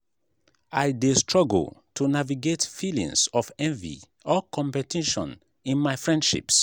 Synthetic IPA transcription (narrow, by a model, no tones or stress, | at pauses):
aɪdestɹɔɡ̰l̩ˠtʰunaviɡetfilḭ̃ŋsɔfɛ̃ɱvḭ | ɔkɔ̃mpɛtʰiʃɔ̰̃n | ĩnmaɪfɹɛ̃ndʃḭps